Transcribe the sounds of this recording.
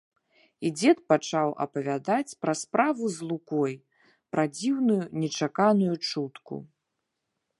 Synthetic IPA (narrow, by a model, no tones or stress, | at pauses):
id͡zʲɛt̪̚pat͡ʂawʔɐ̰pɐvʲad̪at͡sʲpɾɐspɾavuzlˠukɔj | pɾɐd͡zʲiwnujunʲɛt͡ʂakanujut͡ʂut̪kṵ